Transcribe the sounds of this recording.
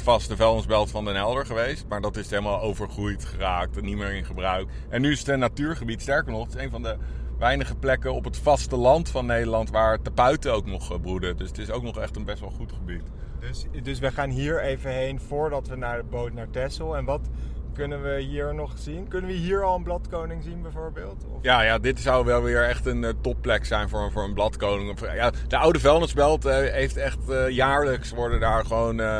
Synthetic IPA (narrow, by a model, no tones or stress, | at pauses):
fɑstəvɛlˠɔnsbɛlˠtfɑndənɛlˠdəɹχəʋejst̚maːɹdɑtɪsthejləmaːlˠowvəɹχrujtχəraːk̚tnimɪːɹɪnχəbrœɥk | ɛnːyɪsətənːatyːɹχəbitstɛɹkəɹnɔχətɪ̥sejnvɑndəʋɛjnəχəplɛkənɔpətfɑstəlɑntfɑnːejdəlɑntʋaːɹtapœɥtəowknɔχbrudədɵsətɪsowknɔχɛχtənbɛstʋɛlˠχutχəbit | dsdɵsʋəχaːnɦiːɹejvənɦejnfʊːɹdɑtʋənaːɹdəbowtnaːɹtɛsəlˠɛnʋɑtkɵnənʋəɦiːɹnɔχz̥inkɵnənʋəɦiːɹɑlˠənblɑtkownɪŋzinbɛjvʊːɹbɪːlˠtɔ̰fjaːjaːdɪtsawʋɛlˠʋɪːɹɛχtəntɔpːlɛksɛjnvʊːɹvʊːɹənblɑtkownɪŋfjad̥əɑwdəvɛlˠnəsbɛlˠtɦejftɛχtjaːɹləksʋɔɹdədaːɹχəʋown